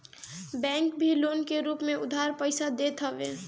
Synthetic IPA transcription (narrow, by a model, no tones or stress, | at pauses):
bɛ̃ːŋkbʱiloːnkeɾuːpmẽʊd̪ʱaːɾpəɪsad̪et̪ʰɦəʋe